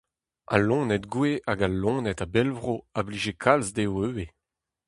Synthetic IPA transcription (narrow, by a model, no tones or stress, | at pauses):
a̰lɔ̃ːnɛtɡweʔaɡalːɔ̃ːnɛtabɛlvʁoabliːʒekʰalzd̪ewøwe